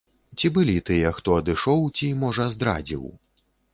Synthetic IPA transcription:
t͡sʲibɨlʲit̪ɨjɐxt̪ɔɐd̪ɨʂɔwt͡sʲimɔʐɐzd̪ɾa̰d͡zʲḭw

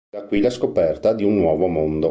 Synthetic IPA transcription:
d̪akwilaskopɛrt̪ad̪iunːwɔːvomond̪o

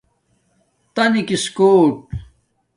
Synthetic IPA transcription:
t̪ɐnikiskoːʈ̚

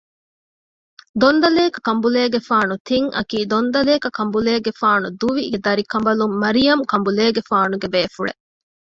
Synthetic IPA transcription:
d̪ond̪ɐleːkɐkɐmbuleːɡefaːnut̪ʰiŋʔɐ̰kiːd̪ond̪ɐleːkɐkɐmbuleːɡefaːnud̪uʋied̪ɐɾikɐmbɐlumːɐɾijɐmkɐmbuleːɡefaːnuɡebeːfuɭḛ

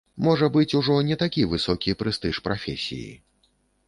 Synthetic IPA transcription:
mɔʐɐbɨt͡sʲuʐɔnʲɛt̪akʲivɨsɔkʲipɾɨst̪ɨʂpɾafʲḛsʲḭjḭ

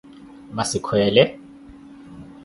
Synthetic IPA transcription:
masikʰwɛːlɛ

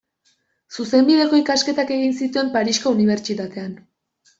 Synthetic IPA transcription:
suse̞mbiðe̞ko̞ikaske̞t̪ake̞ɣinsit̪ue̞mpaɾisko̞uniβ̞e̞ɾt͡ʃit̪at̪e̞an

